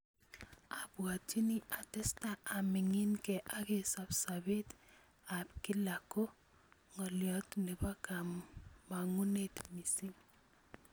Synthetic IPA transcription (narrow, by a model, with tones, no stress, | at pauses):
a˨bwa˨ti˦ni˦a˨tɛ˦sta˦a˨mɪ˨ŋɪ˦nkɛ˨ʔa˦ke˦sa˨bsabe˦t | a˨pkɪ˦la˨ko˦ | ŋɔ˨ljɔ˨tne˨ba˦ka˨mːa˨ŋu˦ne˦tmi˨si˦